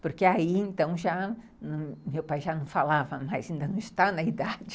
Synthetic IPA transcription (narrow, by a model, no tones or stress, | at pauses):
poɾkeaiẽnt̪ɐ̃w̃ʒa | nmewpajʒanɐ̃w̃falavɐmajzẽĩnd̪ɐ̃ñɪst̪anɐid̪ad͡ʒɪ